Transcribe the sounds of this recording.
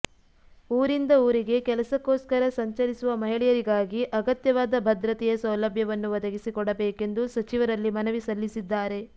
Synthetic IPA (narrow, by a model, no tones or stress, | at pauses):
uːɾind̪ɐuːɾiɡe̞kɛlɐsɐkːoːskɐɾɐsɐɲt͡ʃɐɾisuʋɐmɐɦiɭɛjɐɾiɡaːɡiʔɐɡɐt̪jɐʋaːd̪ɐbʱɐd̪ɾɐt̪ɛjɐsɐwlɐbʱjɐʋɐnːuʋɐd̪ɐɡisikɔɽɐbɛːke̞nd̪usɐt͡ʃiʋɐɾɐlːimɐnɐʋisɐlːisid̪ːaːɾe̞